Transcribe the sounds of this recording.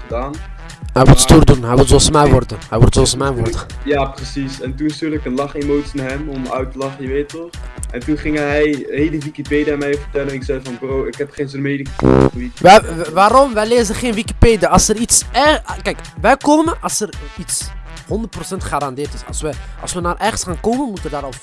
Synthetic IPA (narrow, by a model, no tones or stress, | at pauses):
χədaːn | ɦɛjʋulˠtstuːrdunɦɛjʋutsoɑlsmɛjʋɔrdəɦɛjʋɔrtsoɑlsmɛjʋɔrdəjaːprəsisɛntunɪstyːɹləkənlɑχemowtsinaɦɛmɔmœ̰ɥtəlɑχəjəʋeːtətɔχɛntunχɪŋəɦɛjheləʋikipeːdiaːmɛjvəɹtɛlənɪksɛjdəvɑnbrowɪkɦɛpχeːnsomeːdɪŋə̰χəitʋɛʋaːɾɔmʋɛjleːzəχeːnʋikipeːdaɑlˠsəritsɛkɛjkʋɛjkoːməʔɑsərits | hɔndərt̚prosɛntχaːɾɑndɪːrtɪsɑ̰lˠsʋəʔɑ̰lˠsʋənaːrʔɛχənsxaːnkoːmənmutʋədaːɾɔ